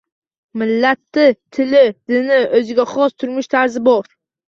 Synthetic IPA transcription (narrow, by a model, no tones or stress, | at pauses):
mɪlːat̪ʰːɪt̪ʰɪlɪd̪̥ɪnɪʔɵzɪɡʲaχɒst̪ʰʊɾmɪʃt̪ʰaɾzɪbɒɾ